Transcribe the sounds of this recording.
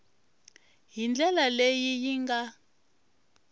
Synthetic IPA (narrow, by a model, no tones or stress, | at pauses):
ɦind͡ɮʱɛlalejijiŋɡa